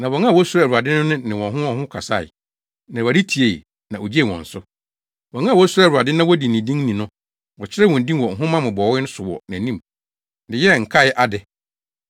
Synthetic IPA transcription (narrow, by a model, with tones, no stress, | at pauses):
nã˨wɔ˨ŋã˦˨wɔ˦sʊ˦ɾæ˨ɾu˨a˨dɪ˦nʊ̃˦nʊ̃˦nɪ̃˨wɔ̃˨ɦʊ̃˦ɔ̃˨hʊ̃˦kʰa˨sa˦˨ɪ̰˨ | nã˨a˨di˦tʰi˨e˦˨ | nã˨o˨d͡ʑe˦˨wɔ̰̃˨n̩˨sʊ˦ | wɔ̃˨ŋã˦˨wɔ˦sʊ˦ɾɛ˨wa˨dɪ˦nã˦wɔ˦di˨nĩ˨dĩ˦nĩ˨nʊ̃˦ | wɔ˨t͡ɕʰɪ˦ɾɛ˦wɔ̃˨n̩˨dĩ˦wɔ˨ŋ̩˨ɦʊ̃˦mã˦mʊ̃˨bɔ˨˦ɪ˦nʊ̃˦sʊ˨wɔ̰˨næ̃˨nĩ˦˨m | dɪ˨jɛ˦˨ŋ̩˨kʰa˦jɪ˦ʔa˦dɪ˨